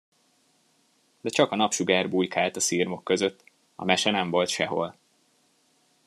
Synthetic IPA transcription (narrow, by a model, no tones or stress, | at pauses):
d̪ɛt͡ʃɒkɒnɒpʃuɡaːrbujkaːlt̪ɒsiːrmo̞kːø̞zø̞t̪ː | ɒ̰mɛʃɛnɛɱvo̞lt̪ʃɛɦo̞̰l